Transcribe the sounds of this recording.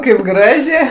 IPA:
kɐɪp ˈɡrɑːʒʲeː

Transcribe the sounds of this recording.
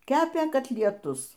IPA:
ˈkʲæːpʲeː kɐtʲlʲiɛˈtʊs

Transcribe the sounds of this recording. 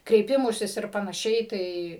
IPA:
krʲɛɪˈpʲɪmʊsʲɪs ɪr pɐnɐˈʃʲɛɪ ˈtɐɪ

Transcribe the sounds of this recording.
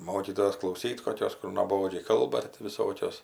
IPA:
ˈmoːkʲiːtoːjoːs klˠɐʊˈsʲiːt koːˈkʲoːs kʊr nuɔˈboːd͡ʒʲɛɪ ˈkɐlˠbɐ tɐɪ tʲɪ ʋʲɪˈsoːkʲoːs

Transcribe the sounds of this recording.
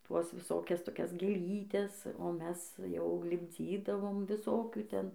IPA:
ˈtuɔs ʋʲɪˈsoːkʲɛs toːˈkʲɛs ɡʲeːˈlʲiːtʲɛs oː ˈmʲɛs jɛʊ lʲɪbʲˈd͡zʲiːdɐʋoːm ʋʲɪˈsoːkʲuː ˈtʲɛn

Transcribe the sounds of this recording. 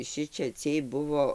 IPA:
ˈʃʲɪt͡ʃʲɛ ˈt͡sʲiɛj ˈbʊʋoː

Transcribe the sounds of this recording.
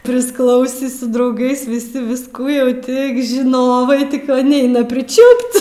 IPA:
pʲrʲɪsˈklˠɐʊsʲiː sʊ drɐʊˈɡɐɪs ʋʲɪˈsʲɪ ʋʲɪsˈkuː jɛʊ ˈtʲɪk ʒʲɪˈnoːʋɐɪ ˈtʲɪk ʋɐ ˈnʲɛɪnɐ pʲrʲɪˈt͡ʃʲuːpʲtʲ

